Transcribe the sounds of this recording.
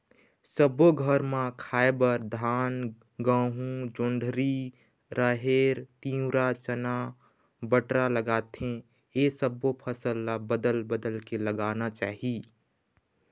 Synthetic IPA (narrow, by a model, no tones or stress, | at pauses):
səboɡʱəɾmãkʰaːebəɾd̪ʱaːn | ɡãːɦũd͡ʒʊ̃ɳɖʱɾi | ɾʔaɦeːɾt̪ĩːʊɾat͡ʃəna | bəʈɾaləɡaːt̪ɦẽ | esəbopʰəsəlːabəd̪əlbəd̪əlkeləɡaːnat͡ʃaːɦi